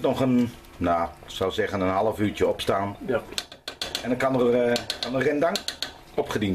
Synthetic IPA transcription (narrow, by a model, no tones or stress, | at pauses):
tnɔχən | nasɔwsɛɣənənhɑlˠəfyːtjəɔpstaːn | ɛndɔkanərərkanərɪndaŋ | ɔpχədin